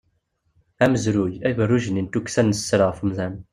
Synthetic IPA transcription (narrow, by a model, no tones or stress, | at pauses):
æməzɾujævərːuʒnint̪uksænːəsːɾəʁfmzæn